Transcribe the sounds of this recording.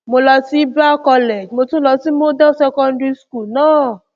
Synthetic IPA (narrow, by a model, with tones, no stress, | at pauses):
mo˧lɔ˧si˦ba˦kɔ˧le˨d͡ʒmo˧tũ˦lɔ˧si˦mo˦dɔ˦sɛ˧kɔ̃˧ndɾi˧sku˦˨lnãː˦˨